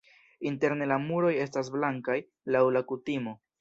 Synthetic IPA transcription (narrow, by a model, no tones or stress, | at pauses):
inte̞ɾne̞lamuɾo̞je̞stas̬blaŋkaj | lawlakutimo̞